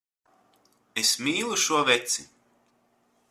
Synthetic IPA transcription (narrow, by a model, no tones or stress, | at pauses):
esmiːlˠuʃuɔvet̪si